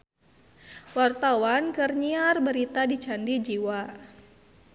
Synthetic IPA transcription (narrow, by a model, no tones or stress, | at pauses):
wart̪awankərɲiarbəɾit̪adit͡ʃandid͡ʒiwa